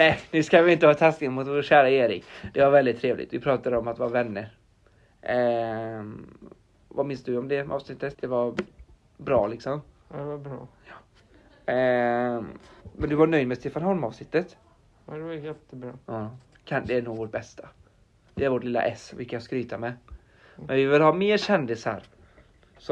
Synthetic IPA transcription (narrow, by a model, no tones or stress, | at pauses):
nɛjnʉ̟ːskavɪɪnt̪əhɑːt̪ʰasknɪŋmʊt̪voːɕæːɾaeːɾɪ̰kd̪̥ɛvaɾvɛld̪ɪt̪ʰːɾeːvlɪ̰ɡt̪vɪpʰɾɑːt̪ad̪əɔmat̪vɑːɾavɛnːəɾ | vamɪnsd̪ɵɔmd̪ɛʔɑ̰ːvsnɪt̪ːət̪d̪ɛvaɾ | bɾɑ̰ːlɪksɔm | dɛvabɾ | mɛnd̪ɵvaɳœjd̪mɛst̪eːfanɦɔlmɑːvsnɪt̪ːət̪ | d̪ɛajɛt̪ːəbɾɑː | kʰand̪ɛæɳuːɡvoːʈ̚bɛst̪ʰa | d̪ɛæɾvoʈlɪlːa̰ʔɛsvɪ̰kʰajskɾyːt̪ʰamɛ | mɛnvɪvɪlɦɑːmeːɾɕɛnd̪ɪsha̰ɾ | sɔ